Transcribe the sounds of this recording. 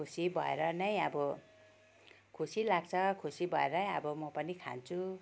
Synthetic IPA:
usibʱʌ̰ḛɾʌnʌj̃ʌbʌ | kʰusilaɡ̚t͡sʰʌkʰusibʱʌeɾʌjʌ̰bʌmʌpʌnikʰa̰nt͡sʰu

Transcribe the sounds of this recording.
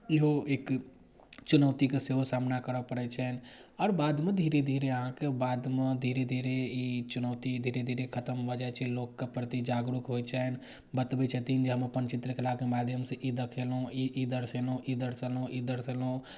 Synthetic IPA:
iɦoek | t͡ʃunəʊt̪ikeseɦosamnakəɾəpəɾɛt͡ʃʰɛnɔːɾbad̪med̪ʱiɾed̪ʱiɾeəɦãkebad̪med̪ʱiɾed̪ʱiɾeit͡ʃunət̪id̪ʱiɾed̪ʱiɾekʰət̪əmɦod͡ʒajt͡ʃʰɛlokːepɾət̪id͡ʒaɡɾukɦojt͡ʃʰɛn | bət̪bɛt͡ʃʰɛt̪ind͡ʒeɦəmpənt͡ʃit̪ɾəkʰəlakemad̪ʱjəmseʔid̪əkʰelɦũiʔid̪əɾselɦũʔid̪əɾsɛlũid̪əɾsɛlɦũ

